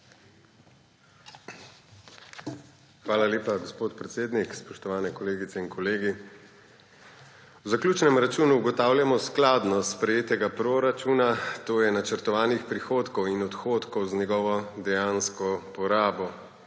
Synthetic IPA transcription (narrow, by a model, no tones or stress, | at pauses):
xʋaːlaleːpaɡɔspoːt̪pɾɛt̪seːd̪nikspɔʃt̪ɔʋaːnɛkɔleːɡit̪sɛinkɔleːɡi | wzaklʲuːt͡ʃnɛmɾat͡ʃuːnuːɡɔt̪aːwljamɔsklaːd̪nɔspɾɛjeːt̪ɛɡapɾoɾat͡ʃuːnat̪oːjɛnat͡ʃəɾt̪ɔʋaːnixpɾixoːt̪kɔwinɔt̪xoːt̪kɔwzɲɛɡɔʋɔd̪ɛjaːnskɔpɔɾaːbɔ